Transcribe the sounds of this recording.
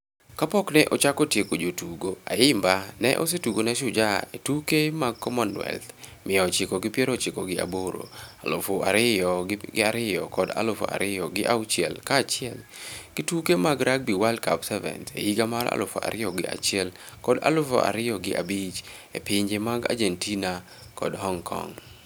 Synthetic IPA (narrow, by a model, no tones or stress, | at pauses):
kapɔknɛʔɔt͡ʃakɔtjekod͡ʒotuɡoaɪmbanɛ̰ʔos̬etuɡonɛʃʊd͡ʒaetukemaɡ̚kːɔmɔnwɛ̰lt̪ | mʔɪɔt͡ʃɪkɔɡɪpjɛɾɔt͡ʃɪkɔɡɪa̰boɾo̰alʊfoaɾɪɔɡɪaɾɪjɔkɔda̰lʊfo̰ʔa̰ɾɪjɔɡɪʔawt͡ʃɪɛ̰lkat͡ʃɪɛlɡ̥ɪtukemaɡɾak̚biwalkabsɛvɛ̰ntḛiɡamaɾa̰lʊfo̰ʔa̰ɾɪjɔɡɪʔa̰t͡ʃɛl | kɔda̰lʊfo̰ʔa̰ɾɪjɔɡɪʔabit͡ʃ | epɪɲd͡ʒemaɡa̰d͡ʒentina | kɔdhɔŋkʰɔ̰ŋ